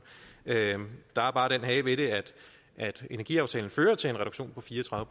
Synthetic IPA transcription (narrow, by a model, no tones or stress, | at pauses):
ød̥ɑ̈æɐb̥ɑ̈ːɾ̥enɦɛɪʋe̝ɾe̝æd̥ | ʔæd̥e̝næɐɡ̥ḭɑ̈ʊt͡sʰɛːln̩føːɐt͡sʰe̝le̝nʁɛɾ̥oɡ̥ɕo̝̰ːnpʰɒ̽fiːɐt͡sʰʁɑ̈ðˠʋəpʰ